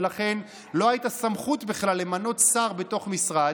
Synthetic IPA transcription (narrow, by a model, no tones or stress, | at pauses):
laχe̞n | lo̞hajitasamχutbiχlalːe̞mano̞t̪saʁbe̞to̞χmisʁa